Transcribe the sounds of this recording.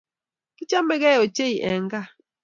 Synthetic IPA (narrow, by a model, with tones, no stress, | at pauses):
ki˦t͡ʃa˦mɛ˦ɣɛ˦˨o˨t͡ʃe˦i˨ʔɛ˨ŋ˦ɡa˦˨